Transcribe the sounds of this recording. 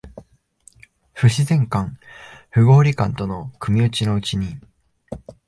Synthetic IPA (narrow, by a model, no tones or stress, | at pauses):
ɸɯ̟ɕizẽ̞ŋkãŋɸɯ̟ɡo̞ːɾʲikãnt̪o̞no̞kʰɯ̟mʲiɯ̟t͡ɕino̞ɯ̟t͡ɕiɲ̟i